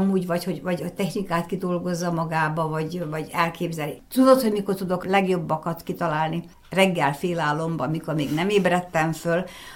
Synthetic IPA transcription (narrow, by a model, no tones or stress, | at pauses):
muːɟvɒchoɟvɒɟot̪ɛxnikaːt̪kid̪o̞lɡo̞zːɒmɒɡaːbɒvɒɟvɒɟɛlkʰeːbzɛlit̪ud̪o̞t̪hoɟmiko̞rt̪ud̪o̞klɛɡjo̞bːɒkɒt̪kit̪ɒlaːlni | rɛɡːɛlfeːlaːlːo̞mbɒmiko̞rmeːɡnɛmeːbrɛt̪ːɛɱføl